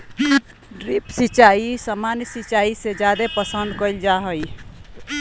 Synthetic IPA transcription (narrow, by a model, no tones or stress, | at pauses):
ɖɾipsit͡ʃaisamanjsit͡ʃaised͡ʒad̪epəsənd̪kəild͡ʒaɦəj